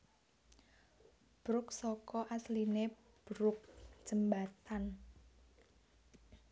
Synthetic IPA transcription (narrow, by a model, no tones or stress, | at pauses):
b̥ɾʊksɔkɔʔasline | b̥ɾʊk̚ʒ̥əmbat̪an